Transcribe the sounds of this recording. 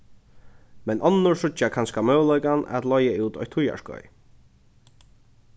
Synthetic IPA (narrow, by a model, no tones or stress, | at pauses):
mɛnʔɔnːʊɹsʊt͡ʃːakʰanskamœːwlɔjkanɛ̰t̪lɔjauːt̪ɔjt̪ʰːʊja̰ʂkɔ̰j